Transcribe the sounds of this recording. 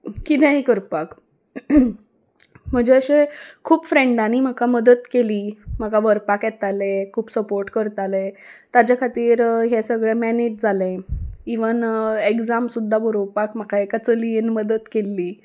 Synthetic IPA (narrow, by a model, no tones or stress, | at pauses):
kit̪ɛ̃ɦikəɾpak | m̤əd͡ʑeəɕekʰuːpfɾeɳɖanim̤akaməd̪ət̪keliːm̤akaʋəɾpakjɛt̪alekʰuːpsəpoɾʈkəɾt̪alet̪ad͡ʑakʰat̪iːɾɦɛsəɡɭɛmɛned͡ʑd͡zʱalẽiʋənekd͡zamsud̪ʱːabəɾowpakm̤akaekat͡səlienməd̪ət̪kelːiː